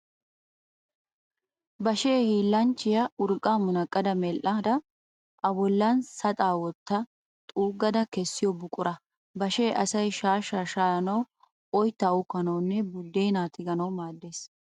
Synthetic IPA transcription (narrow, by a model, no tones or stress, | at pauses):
bɐʃeːhiːlːɐnt͡ʃːɪjɐʊɾkʼːaːmʊnɐkʼːɐd̪ɐmɛlʔɐd̪ɐ | ʔɐbɔlːɐnsɐt̪ʼaːwɔt̪ːɐ | t̪ʼuːɡːɐd̪ɐkɛsːɪjɔbʊkʼʊɾɐ | bɐʃeːʔɐsɐjʃaːʃaːʃaːɐnɐw | ɔjt̪ːɐʊkːɐnɐwnːɛbʊd̪ːe̞ːnaːt̪ɪɡɐnɐwmaːd̪ːeːs